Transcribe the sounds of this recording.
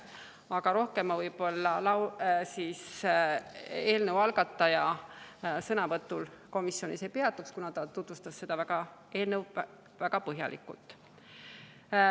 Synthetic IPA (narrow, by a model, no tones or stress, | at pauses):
ɑɡ̥ɑɾo̞hke̞mːɑvɤjb̥o̞lːɑlɑwsiːs | e̞ːlnəwɑlɡ̥ɑt̪ːˑɑjɑ | sɤnɑvɤt̪ːˑulko̞misːjo̞nise̞jpe̞ɑt̪ːˑukskunɑt̪ɑt̪ut̪vust̪ɑsse̞d̪̥ɑvæɡ̥ɑ | e̞ːlnəw | væɡ̥ɑpɤɦjɑ̰lʔḭkːˑṵlt̪ːˑ